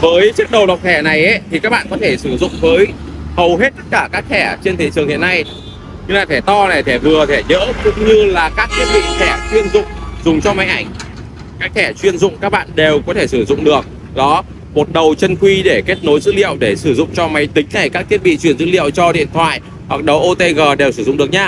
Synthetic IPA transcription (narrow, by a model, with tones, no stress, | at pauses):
vəː˨˦jt͡ɕɨ˦˥ək̚ɗə˨˩wɗa˨˩wk͡p̚t̪ʰɛ˧˩na˨˩jʔe˨˦t̪ʰi˨˩ka˦˥k̚ɓa̰ː˧˨nkɔ˨˦t̪ʰe˧˩sɨ˧˩zʊ̰˧˨ŋ͡mvəː˨˦j | hə˨˩wɦe˦˥t̚t̪ə˦˥t̚kaː˧˩kaː˦˥k̚t̪ʰɛ˧˩t͡ɕe˧nt̪ʰe˨˦t͡ɕɨ˨˩əŋhḭ˧˨əna˧j | ɲɨ˧ŋlaː˨˩t̪ʰɛ˧˩t̪ɔ˧na˨˩jt̪ʰɛ˧˩vɨ˨˩ət̪ʰɛ˧˩ɲə̰ː˧˥kʊ̰˧˥ŋ͡mɲɨ˧laː˨˩kaː˦˥k̚t̪ʰi˦˥ət̚ɓḭ˧˨t̪ʰɛ˧˩t͡ɕwi˧ənzʊ̰˧˨ŋ͡mzʊ˨˩ŋ͡mt͡ɕɔ˧ma˨˦jʔa˧˩jŋ̟ | kaː˦˥k̚t̪ʰɛ˧˩t͡ɕwi˧ənzʊ̰˧˨ŋ͡mkaː˦˥k̚ɓa̰ː˧˨nɗe˨˩wkɔ˨˦t̪ʰe˧˩sɨ˧˩zʊ̰˧˨ŋ͡mɗɨ˨˩ək̚ | ɗɔ˨˦ | mo˨˩t̚ɗə˨˩wt͡ɕə˧nxwi˧ɗe˧˩ke˦˥t̚no˨˦jzɨ̰˧˥lḭ˧˨əwɗe˧˩sɨ˧˩zʊ̰˧˨ŋ͡mt͡ɕɔ˧ma˨˦jt̪ï˨˦ŋna˨˩jkaː˦˥k̚t̪ʰi˦˥ət̚ɓḭ˧˨t͡ɕwi˧˩ənzɨ̰˧˥lḭ˧˨əwt͡ɕɔ˧ɗḭ˧ənt̪ʰwa̰ː˧˨j | hwa˨˩k̚ɗə˨˦wʔo˧t̪e˧ɣəː˨˩ɗe˨˩wsɨ˧˩zʊ̰˧˨ŋ͡mɨ˨˩ək̚ɲaː˧